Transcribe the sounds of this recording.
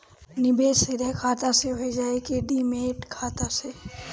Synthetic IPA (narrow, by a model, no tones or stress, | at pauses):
nɪbeseɾəkʰaːt̪aseɦoid͡ʒaːekeɖimeːʈkʰaːt̪ase